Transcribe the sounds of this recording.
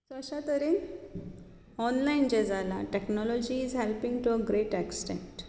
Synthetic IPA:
səɕat̪əɾen | ɔnlaind͡ʑed͡zala̰ʈeknɔlɔd͡ʑiːzɦɛlpĩŋɡʈuəɡɾeʈɛksʈḛ̃ɳʈ

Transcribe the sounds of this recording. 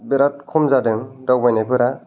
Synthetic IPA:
beɾat̚kʰɔmzadɯŋdawbajnajpɯɾa

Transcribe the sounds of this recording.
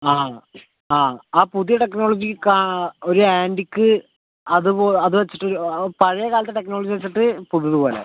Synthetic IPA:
aː | aːaːpuðijɐʈe̞kno̞ːɭod͡ʑikao̞ɾuaːndikʲːɨ | ɐðɨoɐðɨʋet͡ɕːiʈːoɾupɐɻɐjɐkaːlɐt̪ːeʈe̞knoːɭod͡ʑiʋet͡ɕːiʈːɨpuðijɐðɨpo̞ːlḛ

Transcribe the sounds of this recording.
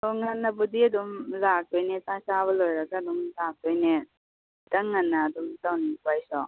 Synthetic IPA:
oŋɐnːɐbudiɐdumlaɡ̚tojnetasaβɐlojɾaɡaːdumlak̚tojne | tɐŋːanːaːdumtawnipajsɔ

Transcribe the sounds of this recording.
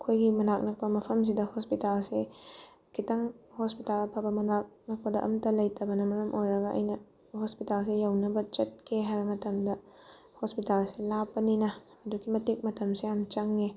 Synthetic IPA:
kʰojɡimɐnak̚nɐk̚pɐmɐpʰɐms̬idɐhospitalse | kʰitɐŋhospitalɐpʰɐbɐmɐnak̚nɐk̚pɐdɐʔɐ̰mtɐlɐjtʰɐbɐnɐmɐɾɐmʔojɾɐɡɐʔɐ̰jnɐ | hospitals̬ejawnɐbɐt͡ʃɐt̚kʰeɦaɾɐmɐtɐmdɐ | hospitalselapːɐninɐː | dukimɐtik̚mɐtʰɐmseamt͡ʃɐŋːe

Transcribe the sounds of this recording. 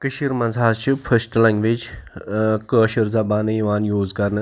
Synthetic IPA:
kɨʃiɾmɐnzʱaːzt͡ʃʰipʰəɾsʈlãŋɡʋeːd͡ʒ | kəːʃəɾzɐbaːnɨiʋaːnjuːzkɐɾnɨ

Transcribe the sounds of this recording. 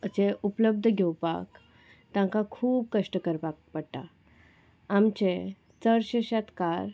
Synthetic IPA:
ət͡ɕeʔupləb̚d̪ʱəɡʱɛwpa̰k | t̪ãŋkakʰuːb̚kəʂʈəkəɾpak̚pəɽʈ̪a̰ | amt͡ɕẽ | t͡səɾɕeɕat̪kaɾ

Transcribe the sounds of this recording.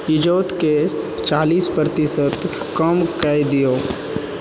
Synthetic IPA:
ɪd͡ʒoːt̪ke | t͡ʃaːliːspɾət̪ɪsət̪ | kəmkaid̪ijoː

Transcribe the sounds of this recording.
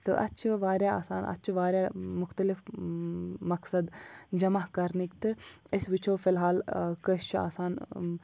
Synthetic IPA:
t̪ɨ̰ʔɐ̰tːt͡ʃʰɐʋaːɾjaa̰ːsaːnɐ̰tːt͡ʃʰʋaːɾjamʊxt̪ɐlɪf | mɐksɐd̪d͡ʒɐmaɦkɐɾnikt̪ɨɪsʋɪt͡ʃʰoːfɪlɦaːlkəʃt͡ʃʰua̰ːsaːn

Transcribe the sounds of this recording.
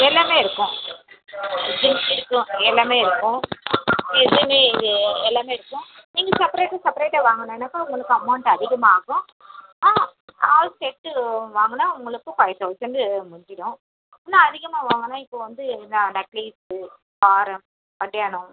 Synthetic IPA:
ɛlːaːmeːɪɾɯkːʊ̃ | d͡ʒɯnɪɾɯkːʊ̃ɛlːaːmeːɪɾɯkːʊ̃ | ɛðɯmeːɪðɯɛlːaːmeːɪɾɯkːʊ̃niːŋɡɐsɐpɐɾeːʈːɐsɐpɐɾeːʈːɐʋaːŋɡɐnɐ̃ɛnːɐkːaːʊŋɡɐɭɯkːɯɐmɐʊɳʈɐðɪɣɐmaːɣʊ̃ | aɐːsɛʈːɯʋaːŋɡɐnːaːʊŋɡɐɭɯkːɯ̃paːjɪt̪ːɐʋsɐnɖ̪ɯmʊɳd͡ʒɪɽʊ̃ | nːãːɐðɪɣɐmaːʋaːŋɡɐnːãːɪpːoːʋɐnd̪ɯnanɐkliːsɯ | paːɾɐm | ɐɽɐjaːnʊ̃

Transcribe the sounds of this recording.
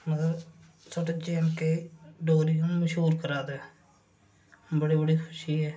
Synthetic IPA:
mət̪ləb | səːʈeːt͡ʃeːmkeːɖoːɾiːoməʃɦuːɾkəɾaːd̪eː | bəɽiːbəɽiːkʰʊʃiːɛː

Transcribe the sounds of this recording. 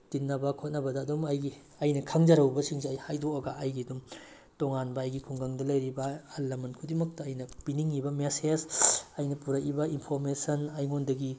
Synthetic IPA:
tinːɐbɐkʰot̚nɐbɐdɐːdumɐjɡi | ɐjnɐkʰaŋd͡ʒɐɾɐwbɐsiŋseɐjhajdoɐɡɐʔɐjɡidum | toŋanbɐːjɡikʰuŋɡaŋdɐlɐjɾibɐːlːɐmɐnkʰudimɐk̚tɐːjnɐbiniŋibɐmesesɐjnɐpuɾɐkibɐinpʰoɾmesɐnɐjŋondɐɡi

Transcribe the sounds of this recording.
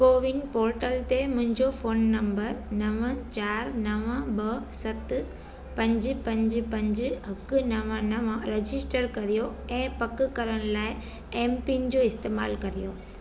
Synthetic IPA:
koːʋɪŋpoːɾʈəlt̪emʊ̃ɦɪ̃ɲd͡ʑofoːnːɐ̃mbəɾnɐʋə̃t͡ɕaːɾnɐʋə̃bɐsɐt̪ | pɐ̃ɲd͡ʑpɐ̃ɲd͡ʑ̆pɐ̃ɲd͡ʑɦɐkʊnɐʋə̃nɐʋɾed͡ʑɪsʈəɾkɐɾijoɛ̃ːpɐkkɐɾəɽ̃̆laːɪ | eːmpind͡ʑoːɪst̪eːma̰ːlkɐɾijoː

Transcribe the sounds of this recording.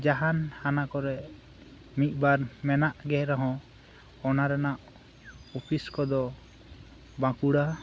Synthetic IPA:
d͡ʒaɦanhanakɔɾɛ | mit̪̚ˀbaɾmɛnaʔɡɛɾaɦɔ̃ | ɔnaɾɛnaʔ | ɔpʰiskɔd̪ɔ | bãkuɽa

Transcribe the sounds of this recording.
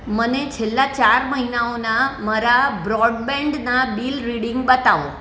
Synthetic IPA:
mənet͡ʃʰelːat͡ʃaɾməɦinaonamaɾabɾɔɖbɛ̃ɳɖnaɓilɾiɽɪ̃ŋɡ̚ɓət̪aʋo

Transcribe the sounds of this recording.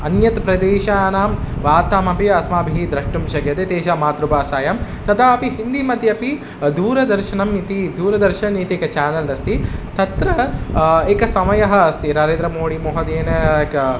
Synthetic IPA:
ɐnjɐt̪pɾɐd̪eːʃaːnaːmʋaːt̪aːmɐpiɐsmaːbʱiɦid̪ɾɐʂʈumʃɐɡjɐt̪et̪eːʃɐmaːt̪ɾubaːsaːjɐmt̪ɐt̪aːɐpiɦind̪imɐt̪jɐpi | d̪uːɾɐd̪ɐɾʃɐnɐmnit̪id̪uːɾɐd̪ɐɾʃɐnit̪eːkɐt͡ʃaːnɐlɐst̪it̪ɐt̪ɾɐ | eːkɐsɐmɐjɐɦɐːst̪inɐɾeːnɾɐmoːɽimoːɦɐd̪eːnɐkɐ

